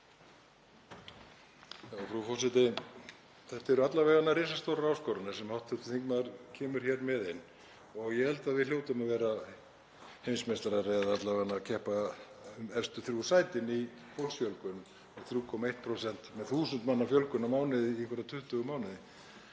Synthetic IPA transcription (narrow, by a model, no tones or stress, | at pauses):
jaːfɾufɔsɪt̪ɪ | θɛht̪aɛɾʏat̪lavɛːɣanːaɾeːsast̪owɾaɾaːwskoːɾanasɛmhawht̪θɛt̪ʏ̥θiŋkmaðɾcʰɛːmʏɾ̥çɛɾmɛðejnː | ɔɣjɛhɛlt̪aðvɪðl̥joːwt̪amaðvɛːɾa | hejnsmest̪aɾaɾeðaat̪lavɛɣanːacʰɛhpa | ʏmɛr̥st̪ʏθɾjusaːjt̪ɪni | fowlsfjœlkʏm | mɛθɾjuːkʰɔmaeht̪̚pʰɾosɛn̥t̪mɛðθuːsʏnt̪manːafjœlkʏnamaːwnɪðɪihkvɪɾat̪ʰʏht̪ʏɣʏmaːwnɪðɪ